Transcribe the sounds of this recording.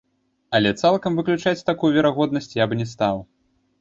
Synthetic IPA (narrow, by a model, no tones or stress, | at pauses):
ɐlʲɛt̪salˠkɐmvɨklʲut͡ʂat͡sʲt̪akujuvʲɛɾaɣɔd̪nɐsʲt͡sʲjabnʲɛs̬t̪aw